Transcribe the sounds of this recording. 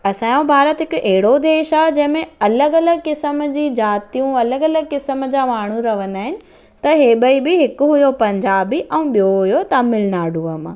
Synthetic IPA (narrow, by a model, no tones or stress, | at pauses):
ɐsãːjõbʱaːɾət̪ɦɪkʊʔɛɦɪɽod̪eːʃaːɦɛd͡ʑɐ̃ɦɪ̃mẽɐləɡɐləɡkɪsəmd͡ʑiːd͡ʑaːt̪ijũɐləɡɐləɡ̚kɪsəmd͡ʑaːmaːɳ̤uɾɐʋənaːɦɪnɪ̆ | t̪ɐɦeːɓəibɪɦɪkʊɦʊjopɐ̃ɲd͡ʑaːbiʔɛ̃ːɓijoɦujot̪ɐmɪlɪnaːɖũɐmã̰ː